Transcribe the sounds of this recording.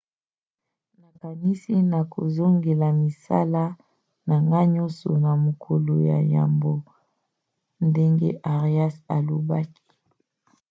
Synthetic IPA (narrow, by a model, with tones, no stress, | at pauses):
na˨ka˨ni˦si˦na˨ko̰˨zo˦ŋɡe˨la˨mi˨sa̰˦la˦ | na˨ŋɡa˦ɲɔ˦so̰˨na˨mo˨kʰo˨lo˨ja̰˨ja̰˨mbo˦ | nde˦ŋɡḛ˦ʔa˨ʁi˨˦a˦sa˨lo˨ba˦ki̥˦